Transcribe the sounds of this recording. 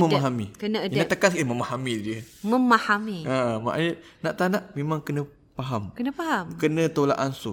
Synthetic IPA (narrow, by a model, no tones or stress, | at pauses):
məmaɦamikənənaʔt̪əkankiəməmahamidiəməmahamiəma̰ʔjə | naʔt̪anaʔmemãŋkənə̃ | paɦamkənə̃paɦamkənə̃t̪ola̰ʔansʊ